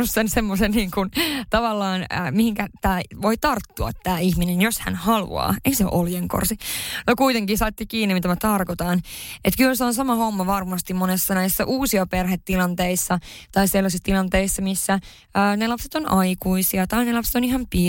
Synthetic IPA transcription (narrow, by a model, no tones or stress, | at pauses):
usːensemːosenniːŋkunt̪ɑʋɑlːɑːnəːmihiŋkæt̪æːʋoit̪ɑrt̪ːuɑ̰t̪ːæːiçminenjoshæ̰nhɑlṵɑ̰ːeisḛʔoljeŋko̰rsinokuit̪eŋkihsɑt̪ːikiːnːimit̪æmæt̪ɑrkot̪ɑːnʔet̪kylseonsɑmɑhomːɑʋɑrmɑst̪immonesːɑnæisːɑʔuːsiɑperhet̪t̪ːilɑnt̪eisːɑt̪ɑiselːɑs̬ist̪ilɑnt̪eisːɑmisːæ | əːnelɑpset̪onʔɑikuisiɑt̪ɑinelɑpset̪oniɦɑmpi